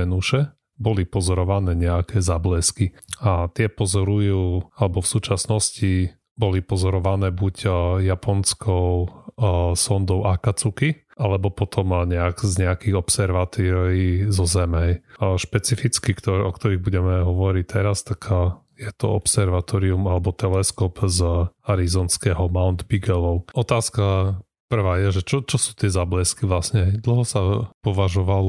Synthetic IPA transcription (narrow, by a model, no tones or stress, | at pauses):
ɛnuʃɛ | bɔlipɔzɔɾɔʋanɛːɲɛakʰɛːzablɛskiat̪ɪɛpɔzɔɾujuːalɛbɔfsuːt͡ʃasnɔsci | bɔlipɔzɔɾɔʋanɛːbuɟjapʰɔnskʰɔʊ | sɔnd̪ɔʊʔakat͡suki | ʔalɛbɔpɔt̪ʰɔmɲɛakzɲɛakiɣɔpsɛɾʋat̪iɾizɔzɛmɛjʃpɛt͡sifit͡skikt̪ɔɾɔkt̪ɔɾiɣbuɟɛmɛɦɔʋɔɾic̚t̪ɛɾast̪aɡ | jɛt̪ɔ̰ɔ̰psɛɾʋat̪ɔɾiumalɛbɔt̪ɛlɛskɔpzaɾizɔːnskɛːɦɔmaʊnd̪biɡɛlɔʊɔt̪aːska | pr̩ʋaːjɛʒɛt͡ʃɔt͡ʃɔsu̥ːt̪ɪɛzablɛskiʋlasɲɛɦɛjd̪l̩ɦɔsapɔʋaʒɔʋalɔ